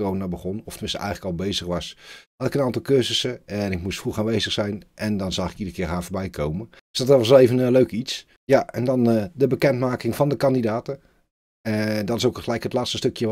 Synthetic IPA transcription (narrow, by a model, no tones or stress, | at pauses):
rownabəχɔnɔftəmɪnstəʔɛ̰jxləkɑlˠbejzəxʋɑshɑtɪkənaːntɑlˠkørzəsənɪk̚mustfruxaːnʋejzəxsɛjnʔɛndɔnzɑχɪkidərəkɪːɹɦaːvoːɹbɛjkʰowmə | dsd̥ɑtʋɑs̬lˠejvənløɥkits | jaʔɛndɑndəbəkɛntmaːkɪŋvɑndəkɑndidaːtə | dɔtɪsowkχəlɛjkətlaːtstəstøkjə